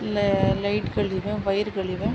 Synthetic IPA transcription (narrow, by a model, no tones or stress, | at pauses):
llɐɪʈkɐɭɪʋẽʋɐjɪɾkɐɭɪʋẽ